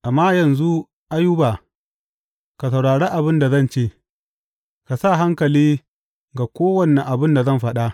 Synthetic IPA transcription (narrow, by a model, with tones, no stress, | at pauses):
ʔa˨mːaː˦jɐ˨nzu˦ | ʔa˦jʊ˦ba˨ | ka˨sa˨wɽaː˨ɽeː˦ʔa˨bɪ˦nda˨zɐ˦nt͡ʃeː˦˨ | ka˨sa˦˨ɦa˦ŋkɐ˨liː˦ | ɡa˨kʷoː˦wɐ˦nːɛ˨ŋʔa˨bɪ˦nda˨zɐ˦˨mɸɐ˦ɗa˦ʔ